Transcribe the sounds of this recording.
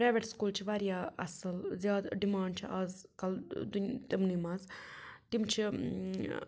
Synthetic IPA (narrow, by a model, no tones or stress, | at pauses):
pɾaːʋeʈskuːlt͡ʃʰiʋaːɾjaːɐ̰sɐlzjaːd̪ɖimaːɳɖt͡ʃʰiʔaːz | kɐld̪unt̪imniːmazt̪imt͡ʃʰi